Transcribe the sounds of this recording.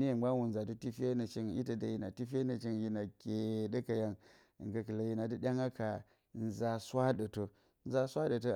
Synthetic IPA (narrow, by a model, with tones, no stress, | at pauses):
ni˦˨˦ɡ͡ba˦wu˨n̩˨za˨tu˦ti˦fe˦na˨t͡ʃi˦ŋjḭ˦tɐ˨da˨ji˨na˨ti˦fʲe˦nɐ˨t͡ʃi˦ŋji˦na˨kʲe˨dɐ˦ka˨ja˨ŋ̰˨ | ŋka˨kɨ˨la˨ji˦na˨di˦ɗʲa˦ŋa˦ka˨ | n̩˦za˨swa˦ɗə˨to˨ | n̩˦za˦sʷa˦də˨to˦